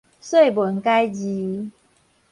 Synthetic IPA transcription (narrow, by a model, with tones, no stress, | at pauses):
swe˥˩ɪbwə˨˦nka˦ɪd͡ʑi˨˦